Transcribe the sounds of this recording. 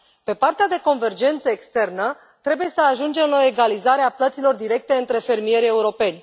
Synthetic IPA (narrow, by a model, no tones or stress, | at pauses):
pe̞part̪ead̪e̞ko̞nve̞rd͡ʒe̞nt̪səekst̪e̞rnə | t̪ɾe̞buje̞səaʒund͡ʒe̞mɨno̞e̞ɡalizaɾeaplət̪silo̞rd̪iɾe̞k̚t̪e̞ɨnt̪ɾe̞fe̞rmije̞ɾʲe̞uɾo̞pe̞nʲ